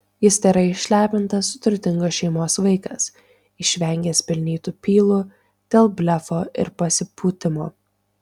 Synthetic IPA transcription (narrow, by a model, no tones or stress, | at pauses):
jɪst̪ʲeːɾɐɪʃʲlʲæːpʲɪnt̪ɐsʊt̪ʊɾʲt̪ʲɪŋɡoːʃʲɛɪmoːsʋɐɪkɐs | ɪʃʲʋʲɛŋʲɡʲeːspʲɪlʲnʲiːt̪uːpʲiːlˠuː | d̪̥ʲeːlˠbʲlʲɛfoːɪ̰ɾpɐsʲɪpuːt̪ʲɪmoː